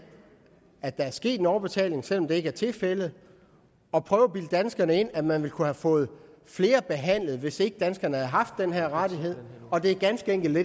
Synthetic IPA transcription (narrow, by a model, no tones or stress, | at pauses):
æd̥ɑ̈æɐsɡ̥e̝̰ːd̥enɒʊb̥e̝t͡sʰɛ̰ːle̝ŋsel̰ɒ̽md̥e̝e̝ɡ̥æɐt͡sʰe̝lfelð̩ˠ | ɒ̽pʰʁœːʊb̥ild̥ænsɡ̥ɐnəe̝n̰æmænʋe̝lkʰuhæfɔ̽ːð̞̩ˠ | fle̝ːɐb̥e̝ɦæn̰lð̞̩ˠʋe̝se̝ɡ̥əd̥ænsɡ̥ɐnəhæð̩ˠɦɑ̈fd̥ːenɦeɐ̰ʁɑd̥iɦe̝ð̞̰ˠ | ɒ̽d̥e̝æɐɡ̥ænsɡ̥əeŋɡ̥l̩e